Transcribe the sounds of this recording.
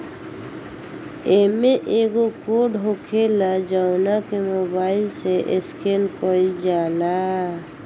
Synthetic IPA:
eːmẽʔeɡokoːɖɦokʰelad͡ʒaʊnakemobaːɪlseʔɪskenkɔid͡ʒaːla

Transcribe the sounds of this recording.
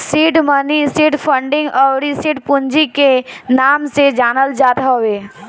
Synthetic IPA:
siːʈmənisiːʈpʰə̃ɳɖɪ̃ŋɡʔɔʊɾisiːʈpʊnd͡ʒikenaːmsed͡ʒaːnəld͡ʒaːt̪oweː

